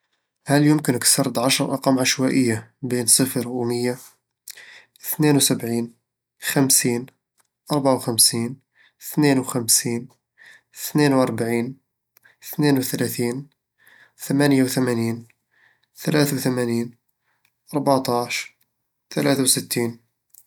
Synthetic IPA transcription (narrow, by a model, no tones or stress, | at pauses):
hæljʊmkənəksɑɾˤd̪ʕɑʃɾˤʔɑqɑmʕaʃwæʔəjːabinsˤəfɾwməjːa | θnenwsəbʕiːn | xæmsiːn | ʔɑɾˤbaʕawxæmsiːn | θnenwxæmsiːn | θnenwɑɾˤbaʕiːn | θnenwθælæθiːn | θæmænjawθæmæniːn | θælæθwθæmæniːn | ʔɑɾˤbaʕt̪ˤɑʃ | θælæθawsət̪ːiːn